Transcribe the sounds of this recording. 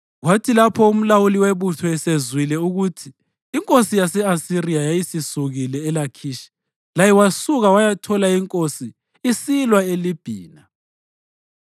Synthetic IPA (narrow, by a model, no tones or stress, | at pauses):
ɣwatʰilapʰɔum̩lawuliweβutʰɔɛsezwilɛuɣutʰiː | ŋkʼosijasɛasirijajajisisuɣilɛːlakʰiʃi̥ | lajɛwasuɣawajatʰɔlaiŋkʼosiː | silwaelib̥ʱiːna